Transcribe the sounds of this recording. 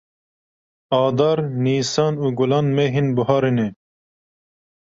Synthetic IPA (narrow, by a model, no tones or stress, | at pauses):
ɑːd̪ɑːɾniːsɑːnuːɡʊlɑːnmeɦinbʊɦɑːɾinɛ